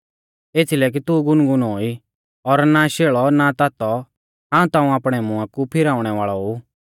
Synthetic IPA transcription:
eːt͡sʰilɛk̬it̪uɡʊnɡʊnoːi | ɔɾnaʃeːɭɔnat̪at̪ɔ | ɦãːũt̪ãːũaːpɽ̃ɛmʊ̃ãkupʰɪɾaːʊɽ̃ɛʋaːɭɔɦu

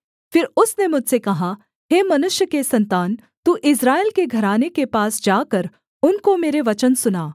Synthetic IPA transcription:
fɪɾʊsnemʊd͡ʒʱsekɐɦa | ɦeːmɐnʊʃjəkesɐ̃nt̪aːn | t̪uːʔɪsɾaːelkeɡʱɐɾaːnekepaːsd͡ʒaːkəɾ | ʊnkomeːɾeʋɐt͡ʃənsʊnaː

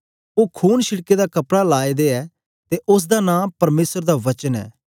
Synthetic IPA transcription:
oːkʰuːnʃɪɽked̪aːkɐpɽalaːed̪eːɛː | t̪eʔʊs̬d̪aːnãːpɐɾmeːsəɾd̪aʋɐt͡ʃənɛ̰ː

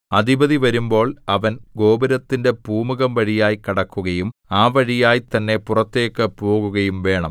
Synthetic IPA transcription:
ɐd̪ʱibɐðiʋɐɾumbo̞ːɭɐʋɐnɡo̞ːbɐɾɐt̪ːinde̞puːmuɣɐmʋɐɻijaːjikɐɽɐkːuɣɐjumaːʋɐɻijaːjt̪ɐnːe̞purɐt̪ːe̞ːkːɨpoːɣuɣɐjumʋe̞ːɳɐm

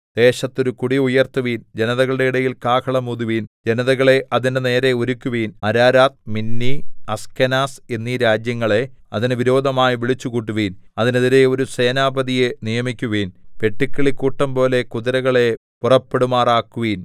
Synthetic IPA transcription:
d̪̥e̞ːɕɐt̪ːo̞ɾukuɽiujɐrt̪uʋiːnd͡ʑenɐðɐɣɐɭɨɽe̞iɽɐjilkaːkʰɐɭɐmuðuʋiːnd͡ʑenɐðɐɣɐɭe̞ʔɐðinene̞ːɾe̞o̞ɾukʲːuʋiːnɐɾaːɾaːt̪̚minːiɐskɐnaːsenːiːɾaːd͡ʑjɐŋːɐɭe̞ɐðinʋiɾo̞ːd̪ʱɐmaːjiʋiɭit͡ɕːukuːʈ̬ːuʋiːnɐðineðiɾe̞o̞ɾuseːnaːbɐðije̞nijɐmikʲːuʋiːnpe̞ʈːikʲːɐɭikːuːʈːɐmpo̞ːle̞kuðiɾɐɣɐɭe̞ | purɐpːe̞ɽumaːraːkːuʋiːn

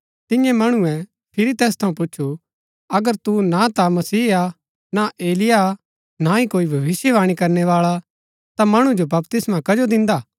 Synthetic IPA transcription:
t̪ɪ̃jɛ̃mɐɽ̃uɛ | pʰɪɾit̪ɛːst̪ʰɐũp̬ʊtːʃʰu | ɐɡəɾt̪unat̪amɐsiːa | naʔeːlɪja | naikoːibʱɐʋɪsjɛʋaːɽ̃ikɐɾnɛʋaːɭa | t̪amɐɽ̃ud͡ʒobɐpt̪ɪsmakɐd͡ʒod̪ɪ̃nd̪aː

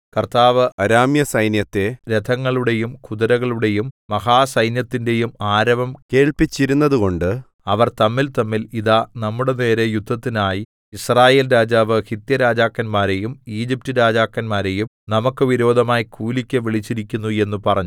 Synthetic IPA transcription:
kɐrt̪aːʋɨɐɾaːmjɐsɐjnjɐt̪ːe̞ɾed̪ʰʱɐŋːɐɭuɽe̞jumkuðɐɾɐɣɐɭuɽe̞jumːɐhaːsɐjnjɐt̪ːinde̞jumaːɾɐʋɐmke̞ːɭpit͡ɕːiɾunːɐðuko̞ɳɖɨ | ɐʋɐrt̪ɐmːilt̪ɐmːiliðanɐmːuɽe̞ne̞ːɾe̞jud̪ʱːɐt̪ːinaːji | israːje̞ːlɾaːd͡ʑaːʋɨhit̪jɐɾaːd͡ʑaːkːɐnmaːɾe̞jumiːd͡ʑip̚tɨɾaːd͡ʑaːkːɐnmaːɾe̞jum | nɐmukːɨʋiɾo̞ːd̪ʱɐmaːjikʰuːlikʲːɐʋiɭit͡ɕːiɾikʲːunːue̞nːupɐrɐɲːu

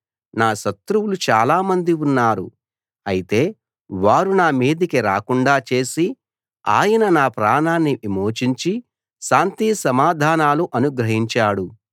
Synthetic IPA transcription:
naːʃɐt̪ɾuwulut͡ʃaːlaːmɐnd̪iunːaːɾṵ | ɐjit̪e̞ː | ʋaːɾunaːmiːd̪ikiɾa̰ːkuɳɖaːt͡ʃe̞ːsi | a̰ːjɐnɐnaːpɾaːnaːnːiʔimo̞ːt͡ʃiɲt͡ʃi | ʃaːnt̪iːsɐmaːd̪ʱaːnaːluʔɐnuɡɾɐɦiɲt͡ʃaːɽu

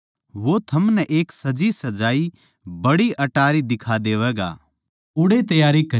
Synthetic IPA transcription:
ʋot̪ʰɐmnɛʔeːksɐd͡ʒisɐd͡ʒaːi | bɐɽiʔɐʈaːɾid̪ɪkʰad̪eːʋɛːɡa̰ː | ʊɽet̪ɐjaːɾikɐ

